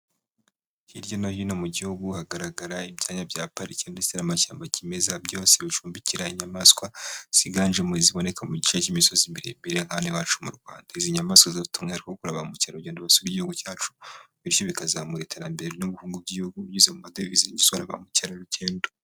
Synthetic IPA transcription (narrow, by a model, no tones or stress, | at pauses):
hiɾjo̞nohino̞muɟihuɡuhaɡaɾaɡaɾaibɟaːɲabjaːpaɾicendesenamaʃa̰ːmbacime̞zabjo̞ːse̞βit͡ʃuːmbiciɾaiɲamaskwaz̥iɡanʒemueziβo̞ne̞kamuɟit͡ʃecimiso̞zimbiɾḭmbiɾeŋ̥aniwaːt͡ʃumṵɾɡwa̰ːndaiziɲamaːskwazautumŋehaɾikokuɾaβamucaɾoɟeːndoβasuɾiɟihuɡucaːt͡ʃu̥βiɾjo̞βikazaːmuɾetʰeɾambe̞ɾenuβuhuːŋɡub̚jiihuɡujuzemumadeviziiɲisoβaɾa̰βa̰mucaɾaɾuceːndo